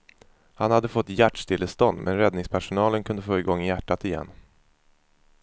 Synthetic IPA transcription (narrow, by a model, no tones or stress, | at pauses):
hanhad̪ːəfɔt̪ːjæʈʂt̪ʰɪlːəst̪ɔnd̪mʔɛ̰nɾɛd̪nɪŋspʰæʂʊnɑːlənkʰɵnd̪əfoːɪɡɔŋːɪjæʈːat̪ɪjɛ̰nː